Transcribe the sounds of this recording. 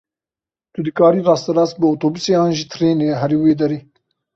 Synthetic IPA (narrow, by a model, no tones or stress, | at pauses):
t̪ud̪ɨkaːɾiːɾɑːst̪ɐɾɑːs̚bɨoːt̪oːbuseːaːnʒit̪ʰɾeːneɦɐɾiweːd̪ɐɾeː